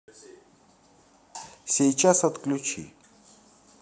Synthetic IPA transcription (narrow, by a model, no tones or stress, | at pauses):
sʲejt͡ɕasət̪klʲut͡ɕʰḭ